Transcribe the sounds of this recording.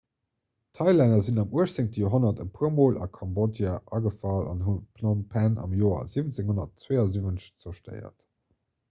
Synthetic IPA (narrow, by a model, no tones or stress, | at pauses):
tʰɑɪlænɐzinɑmuəʃt͡seŋtəjoɦonɐtəpʰuɐmoːlʔɑ̰kʰɑmbodjaʔɑɡəfɑlɑ̰nɦunpʰlɔmpʰænɑ̰mjoːɐ̰zivənt͡seŋhonɐtt͡sweɪɑzivənə̥ɕt͡sɐʃtə̰ɪɐ̰t